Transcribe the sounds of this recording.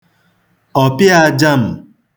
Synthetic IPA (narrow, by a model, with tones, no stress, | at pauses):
ɔ˨pɪ˦a˦d͡ʒa˦m̩˨